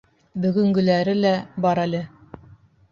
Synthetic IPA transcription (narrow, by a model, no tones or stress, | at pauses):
bɵ̆ɡɵ̆ŋɡɵ̆læɾɘlæbɑɾælʲɘ